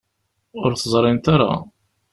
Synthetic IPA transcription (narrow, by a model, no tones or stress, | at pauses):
ʊɾθəzˤɾˤɪnt̪aɾa̰